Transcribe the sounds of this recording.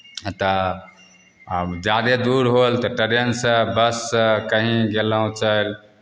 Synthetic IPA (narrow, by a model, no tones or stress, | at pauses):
t̪ɔ | d͡ʒad̪ed̪uɾɦolt̪ɔʈəɾjənsə̃bəsːəkəɦĩɡelaũt͡ʃəel